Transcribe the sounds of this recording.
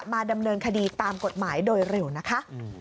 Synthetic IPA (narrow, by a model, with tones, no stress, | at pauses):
maː˧da˧mnɤː˧nkʰa˧diː˧t̪aː˧mko˨˩t̪̚maː˩˦jdoː˧jɾe˨˩wna˦˥kʰa˦˥ʔ